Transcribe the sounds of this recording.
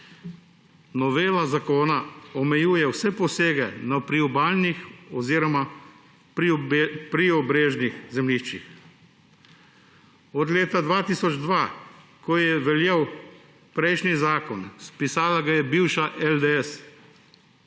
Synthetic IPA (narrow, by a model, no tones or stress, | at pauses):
nɔʋeːlazakoːnaɔmɛjuːjɛwsɛpɔseːɡɛnapɾiɔbaːlnixɔziːɾɔma | pɾiɔbɾeːʒnixzɛmliʃt͡ʃix | ɔd̪leːt̪ad̪ʋaːt̪iːsɔd͡ʒd̪ʋaːkɔjɛʋɛljɛw | pɾɛjʃnizaːkɔnspisaːlaɡajɛbiwʃaʔɛld̪ɛɛs